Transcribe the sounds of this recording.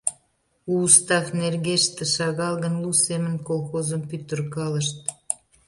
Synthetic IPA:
uːst̪ɑxnerɣeʃt̪ĕʃɑɣɑlɣənlusemənkolxozəmpyt̪ərkɑləʃt̪̚

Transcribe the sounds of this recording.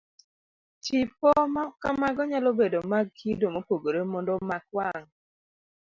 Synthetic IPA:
t͡ʃipɔmakamaɡɔɲalɔbedomaɡidomopoɡoɾemɔndɔmakwaŋ

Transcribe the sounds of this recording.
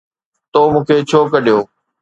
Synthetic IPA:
t̪oːmũːkʰeːt͡ɕʰoːkəɗijoː

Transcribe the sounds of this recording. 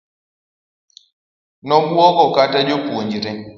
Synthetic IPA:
nɔbuɔkɔkatad͡ʒopoɲd͡ʒiɾɛ

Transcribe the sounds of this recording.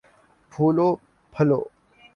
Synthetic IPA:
pʰuːloː | pʰɐlo̰ː

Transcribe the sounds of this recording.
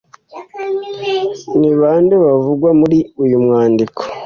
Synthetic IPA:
niβaːnduβavuɡwamuɾiujumŋaːndikʰo̥

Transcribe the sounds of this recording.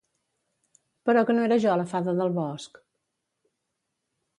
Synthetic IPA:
pəɾɔkənoeɾəʒɔləfaðəðəlˠβɔsk

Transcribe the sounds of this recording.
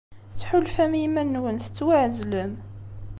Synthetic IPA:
θħʊlfæmjimænːwənθə̥t͡sːwaʕzləm

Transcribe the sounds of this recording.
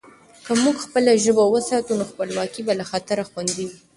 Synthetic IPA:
kamuɡxpəlaʒəbawəsɑt̪unoxpəlwɑkibalaxat̪aɾaxwand̪iwi

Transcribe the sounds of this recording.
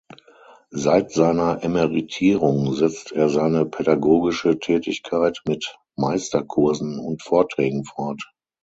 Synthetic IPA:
zaɪtz̥aɪnɐʔɛmɛʁitʰiːʁʊŋzɛt͡steːɐzaɪnəpʰɛdaɡoːɡɪʃətʰɛːtɪçkʰaɪtmɪt | maɪstɐkʰʊɐzn̩ʊntfoːɐtʁ̥ɛːɡŋ̩fɔɐt

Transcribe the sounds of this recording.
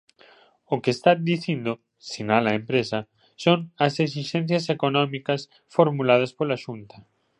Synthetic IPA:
okest̪ad̪iθind̪o | sinalaempɾesɐ | soŋɐses̬iʃẽn̟θjɐsekonɔmikɐs | foɾmulað̞ɐspolaʃunt̪ɐ

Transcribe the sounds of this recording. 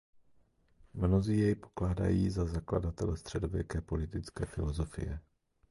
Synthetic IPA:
mno̞ziːjɛjpo̞̥klaːda̰jiːzazakla̰dat̪ɛlɛst̪r̝̥ɛdo̞vjɛkɛːpo̞lɪt̪ɪt͡skɛːfɪlo̞zo̞fɪ̰jɛ̰

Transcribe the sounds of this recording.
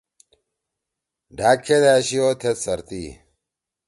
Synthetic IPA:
ɖaːkʰːed̪aːɕijoːt̪ʰet̪sɐɾt̪ḭː

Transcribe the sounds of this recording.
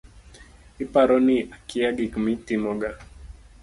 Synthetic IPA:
ipaɾɔniakiaɡikmitimɔɡa

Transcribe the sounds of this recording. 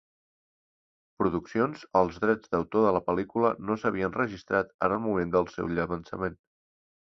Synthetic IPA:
pɾuðuksionzəlˠzðɾɛd͡zðəwt̪oðələpəlikulənosəβ̞iənrəʒist̪ɾat̪ə̰nəlˠmumend̪əlˠsɛ̰wʎəβənsə̰men

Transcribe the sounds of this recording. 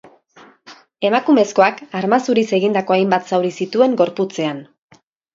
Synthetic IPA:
e̞makume̞sko̞akaɾmasuɾise̞ɣind̪ako̞ajmbat̪sawɾisit̪ue̞ŋɡo̞ɾput͡se̞an

